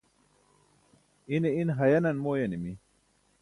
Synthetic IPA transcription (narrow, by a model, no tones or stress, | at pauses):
ineinɦɐjɐnɐnmoːjɐnimi